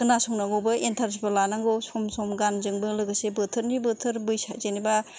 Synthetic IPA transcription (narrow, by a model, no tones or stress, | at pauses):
kɯnasɔŋnaɡowbɯentʰaɾs̬ipɯlanaŋɡowsɔmsɔmɡanzɯŋbɯlɯɡɯsebɯtʰɯɾnibɯtʰɯɾbɯjsazeniba